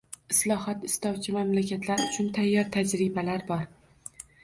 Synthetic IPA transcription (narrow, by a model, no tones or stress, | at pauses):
ɪslˠɒhɒt̪ɪst̪ɒwt͡ʃʰɪmamlakʲʰat̪ʰlaɾʊt͡ʃʰʊnt̪ʰajːɒɾt̪ʰad͡ʒɾɪbalaɾbɒɾ